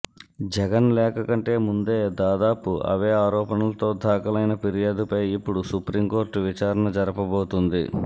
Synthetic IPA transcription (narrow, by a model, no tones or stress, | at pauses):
d͡ʒɛɡɐnlɛːkɐkɐɳʈe̞ːmund̪e̞ːd̪aːd̪aːpuʔɐ̰ʋe̞ːaːɾɔːpɐnɐlɐt̪o̞ːd̪ʱaːkɐlɐjnɐpiɾijaːd̪upɐjipːuɽusupɾiːmko̞ːɾʈʋit͡ʃaːɾɐnɐd͡ʒɐɾɐpɐbo̞ːt̪und̪ḭ